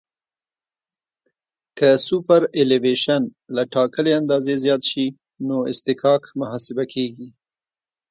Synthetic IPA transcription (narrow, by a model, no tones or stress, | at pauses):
kəsupaɾeleveʃanlaʈɑkəleand̪ɑzezjɑt̪ʃi | noɪ̰st̪ɪkɑkmʊɦɑsɪbakʰeɡi